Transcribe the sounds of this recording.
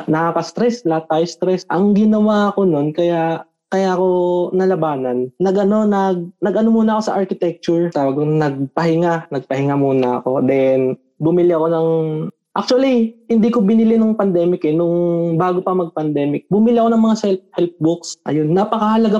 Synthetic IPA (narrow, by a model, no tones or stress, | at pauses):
nɐkakɐst̪ɾɛsnat̪ajst̪ɾɛsʔɐŋɡɪnɐwaɐko̞no̞nkɐja | kɐjaʔɐko̞nɐlɐbaːnɐnːɐɡʔɐno̞nɐɡ̚nɐɡʔɐno̞muːnɐʔɐko̞sɐʔaɹkɪt̪ɛk̚t͡ʃʊɹt̪aːwɐɡnɐɡ̚pɐɦɪŋanɐɡ̚pɐhɪŋamuːnɐ̰ɐ̰ko̞d̪ɛn | bʊmɪlɪɐko̞nɐŋ | ʔak̚t͡ʃʊɐlihɪnd̪ikobɪnɪlɪnʊŋpɐnd̪ɛːmɪkɛnʊŋbaːɡopɐmɐɡ̚pɐnd̪ɛːmɪk̚bʊmɪlɪʔɐko̞nɐŋmɐŋasɛlp̚hɛlp̚bʊksʔɐ̰jonːapɐkɐhɐlɐɡa